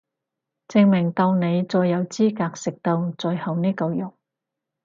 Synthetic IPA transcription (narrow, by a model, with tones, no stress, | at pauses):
t͡sɪ˨˧ŋmɪ˨˩ŋt̪ɐ˧wne˨˧jt͡sɔː˧jːɐ˨˧wt͡siː˥kaː˧k̚sɪ˨k̚t̪o˧wt͡sɔː˧jhɐ˨wniː˥kɐ˧wjʊ˨˩ŋ